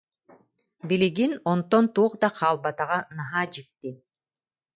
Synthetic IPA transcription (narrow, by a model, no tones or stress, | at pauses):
biliɡinont̪ont̪uːqd̪ɑqʰɑːlˠbɑt̪ɑʁɑnɑɦɑːd͡ʒik̚t̪ːi